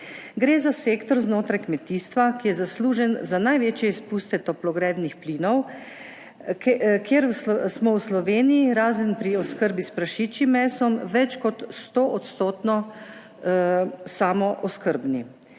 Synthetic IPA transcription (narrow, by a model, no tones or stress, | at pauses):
ɡɾeːzaseːkt̪ɔɾznoːt̪ɾajkmɛt̪iːst̪ʋakijɛzasluːʒɛnzanajʋeːt͡ʃjɛispuːst̪ɛt̪ɔplɔɡɾɛːd̪nixplinɔw | kʰjeɾwssmɔwslɔʋeːniiɾaːzənpɾiɔskəɾbispɾaʃiːt͡ʃimɛːsɔmʋɛt͡ʃkɔt̪st̪oːʔɔt̪st̪oːt̪nɔ | saːmɔʔɔskəɾbni